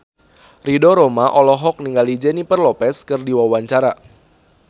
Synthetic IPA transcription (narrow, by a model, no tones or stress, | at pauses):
ridɔɾɔmaʔɔlɔɦɔk̚niŋɡalid͡ʒɛnipərlɔpɛskɨrdiwawaɲt͡ʃaɾa